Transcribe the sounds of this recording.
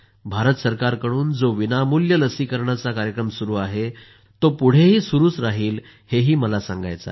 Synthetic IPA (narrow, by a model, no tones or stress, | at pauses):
bʱaɾət̪səɾkaɾkəɽuːnd͡zoʋinamuljələsikəɾɳat͡sakaɾjəkɾəmsuɾuːaɦe | t̪opuɽ̤eɦiːsuɾuːt͡sɾaɦiːl | heɦiːməlasãŋɡa̰jt͡sa̰